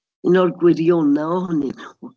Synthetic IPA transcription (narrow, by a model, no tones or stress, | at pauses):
ɪnɔrɡwɪɾjɔnaɔɦʊninuː